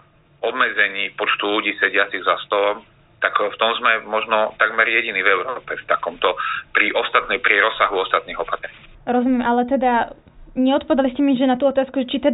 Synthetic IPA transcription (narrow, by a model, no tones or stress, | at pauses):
ɔbmɛd͡zɛɲiːpɔt͡ʃt̪uluɟiːsɛɟɪat͡siɣzast̪ɔlɔm | t̪akft̪ɔmzmɛmɔʒnɔt̪aɡmɛɾjɛɟiniːvɛʊɾɔːpɛft̪akɔmt̪ɔpɾiʔɔst̪at̪nɛjpɾiɾɔsːaɦuɔst̪at̪̚niːɣɔpat̪ɾɛɲiːɾɔzumjɛmʔalɛt̪ɛd̪a | ɲɛɔt̪̚pɔʋɛd̪aliscɛmiʒɛnat̪uːɔt̪aːskuʒɛt͡ʃit̪ɛd̪